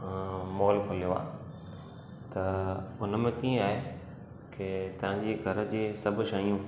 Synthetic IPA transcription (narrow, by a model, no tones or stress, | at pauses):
moːlkʰolijoa̰ː | t̪ɐʊnəmẽkiːẽaːɦe | kʰet̪ɐ̃ɦɪ̃ɲd͡ʑiɡʱɐɾə̆d͡ʑeːsɐbʱʊ̆ʃaːijũ